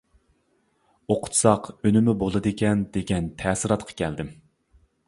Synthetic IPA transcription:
oqʰʊ̥t̪sɑqønɪmɪbolˠɨd̪ɨkʲɛnd̪eɡʲɛnt̪ʰɛːsɨɾɑt̪qʰɑ̥kʲʰɛld̪ɪm

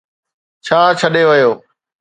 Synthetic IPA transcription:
t͡ʃʰaːt͡ʃʰəɗeʋɪjoː

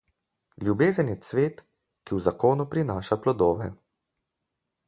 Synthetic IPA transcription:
ljubeːzənjɛsʋeːt̪ | kiwzakoːnupɾinaːʃaplɔd̪oːʋɛ̰

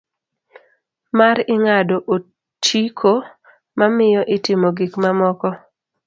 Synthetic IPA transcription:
maɾɪŋadoʔo | t͡ʃikʰo | mamɪjɔʔɪtɪmoɡikmamɔkɔ

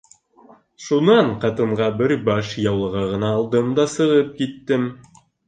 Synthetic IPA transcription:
ʃunɑɴqɑt̪ɤ̆ɴʁɑbɘɾbɑʃjɑwlˠɤ̆ʁɑʁɤ̆nɑːlˠd̪ɤmd̪ɑsɤ̆ʁɤp̚kit̪ːɘm

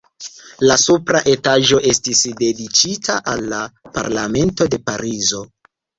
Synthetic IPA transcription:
lasupɾaʔe̞taʒo̞ʔe̞stisde̞dit͡ʃitʰaʔalːapa̰ɾlame̞nto̞de̞paɾizo̞

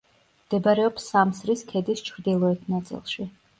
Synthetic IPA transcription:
md̪̥ɛbɾɛɔpsːamsɾiskʰɛd̪ist͡ʃʰɾd̪ilˠɔɛt̪ʰnat̪sʼḭlˠʃi

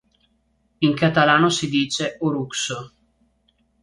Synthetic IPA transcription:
iŋkat̪alaːnosid̪iːt͡ʃeuɾukso

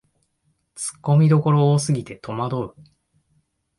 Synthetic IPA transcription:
t͡sɨ̥kːo̞mʲid̪o̞ko̞ɾo̞ːsɨɡʲit̪e̞t̪ʰo̞mad̪o̞ɯ̟

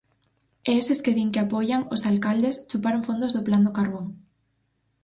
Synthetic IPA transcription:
eesɪskeðiŋkɪapɔjaŋosalkald̪est͡ʃupaɾoŋfond̪ʊzðʊpland̪okaɾβoŋ

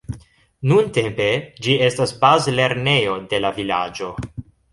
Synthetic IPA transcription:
nunte̞mpe̞d͡ʒie̞stasbazle̞ɾne̞jo̞de̞lavila̰d͡ʒo̞

